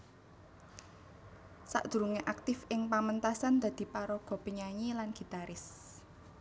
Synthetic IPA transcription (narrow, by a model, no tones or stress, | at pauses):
sa̰ʔd̪̥ṳɾuŋeʔak̚t̪ɪfɪŋpamənt̪asand̪̥ä̤d̪̥i̤paɾɔɡ̥ɔ̤pəɲaɲilanɡ̥i̤t̪aɾɪs